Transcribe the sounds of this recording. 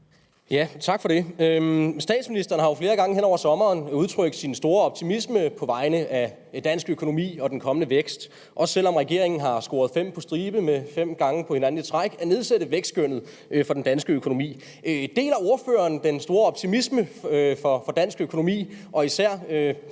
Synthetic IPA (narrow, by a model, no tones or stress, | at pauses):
jæt͡sʰɑ̈ɡ̥fɒ̽ɾe̝øsd̥ɛ̰ːd̥sminisd̥ɐːnəhɑ̈jo̝fle̝ːɐɡ̥ɑ̈ŋəɦenɒ̰ʊɐsɒ̽mɐːnuð̞ˠt͡sʰʁœɡ̥sinsd̥o̝ːɐɒ̽b̥̚t͡sʰimisməpʰɒ̽ʋɑ̈ɪnəʔæ | d̥æn̰sɡ̥økʰo̝no̝mḭːɒ̽d̥enkʰɒ̽mənəʋeɡ̥sd̥ | ʔɒ̽ssel̰ɒ̽mʁɛɡ̥e̝ɐ̰e̝ŋn̩ɦɑ̈sɡ̥o̝ːɐð̞̩ˠfem̰pʰɒ̽sd̥ʁiːb̥əmefem̰ɡ̥ɑ̈ŋəpʰɒ̽he̝næn̩it͡sʰʁɑɪɡ̥æne̝ð̞ˠsed̥ð̩ˠʋeɡ̥sɡ̥øn̰ð̩ˠ | fɒ̽d̥end̥ænsɡ̥əøkʰo̝no̝mḭː | d̥e̝̰ːlæo̝ɐfø̰ːɐːnd̥ensd̥o̝ːɐɒ̽b̥t͡sʰimisməfɒ̽fɒ̽d̥æn̰sɡ̥økʰo̝no̝mḭːʔɒ̽isæɐ̰ø